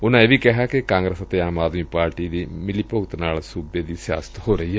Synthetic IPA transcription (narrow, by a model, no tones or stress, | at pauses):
ʊnːãeʋikɛɦaːkekãːŋɡɾesɐt̪ːeaːmaːd̪mipaːɾʈiːd̪imɪlipout̪ɐnaːlsubjed̪isa̰ːst̪ʰɦoːɾɐie